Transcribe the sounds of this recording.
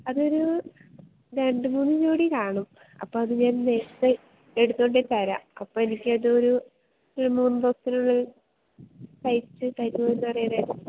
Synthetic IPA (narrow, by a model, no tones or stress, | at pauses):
ɐðo̞ɾu | ɾe̞ɳɖɨmuːnːɨd͡ʑoːɽikaːɳɐm | ɐ̰pːoːɐðɨɲaːnnet̪ːɐ | e̞ɽut̪ːoɳɖet̪ɐɾa̰ɐ̰pːoːenikʲːɨɐðɨoɾu | ɭːɐmuːnːɨpoksinuɭːɐ | sɐjtːɨt̪ɐjɾupoːjenːɨɐrɐjɐneːn